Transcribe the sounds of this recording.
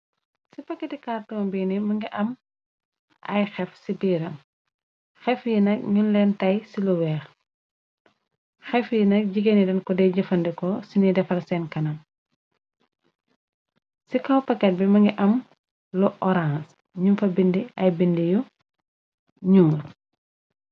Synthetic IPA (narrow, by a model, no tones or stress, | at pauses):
sipɐkːɛtikaːrtɔːnbiːnimɐŋɡiʔɐm | ʔɐ̰jxɛfsibiːɾɐm | xɛfjinɐk̚ŋinlɛntɐjsiluwɛːx | xɛfjinɐk̚ɟiɡɐnidɐnkɔdɛjɟɐfɐndɛkɔsinidɛfɐlsɛnkɐnɐm | sikɐwpɐkːɛt̚bimɐŋɡiʔɐm | lɔʔɔɾãns | ɲumfɐbindiɐjbindiju | ɲuŋ